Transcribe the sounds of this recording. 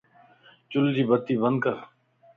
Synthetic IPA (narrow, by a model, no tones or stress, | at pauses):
t͡ʃʊld͡ʒiːbət̪ːiːbənd̪kəɾ